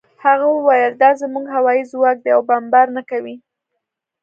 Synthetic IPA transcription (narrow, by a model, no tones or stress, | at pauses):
haɣawəwajəld̪ɑzəmuɡɦawɑjizwɑk̚d̪əjawbambɑɾnakawi